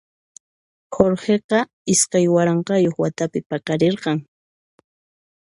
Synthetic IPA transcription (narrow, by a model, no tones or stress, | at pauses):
xoɾheqɑ | ɪskajwaɾɑɴqɑjoχwat̪apɪpɑqɑɾeɾqɑŋ